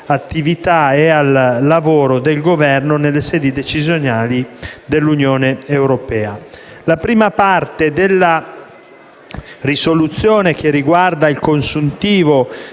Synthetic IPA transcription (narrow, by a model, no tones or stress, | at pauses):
at̪ːivit̪aɛalːavoːɾod̪elɡovɛrnonelːesɛːd̪id̪et͡ʃizjonaːlid̪elːunjɔːneewɾopɛːa | lapɾiːmapart̪ed̪elːa | risolut̪sːjɔːnek̟eriɡward̪ailkonsunt̪iːvo